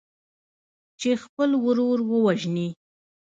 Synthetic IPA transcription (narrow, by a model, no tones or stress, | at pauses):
t͡ʃexpəlwɾoɾwəwaʒni